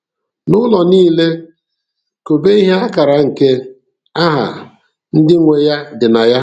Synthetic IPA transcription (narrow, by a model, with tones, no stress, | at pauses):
nʊ˦lɔ˨niː˦le˦ | ko˨be˦i˦ɦe˦a˦ka˨ɾa˨ŋ̩˨ke˦ | a˦ɦa̰˨ | n̩˦dɪ˦ŋʷe˨ja˦dɪ˨na˨ja˦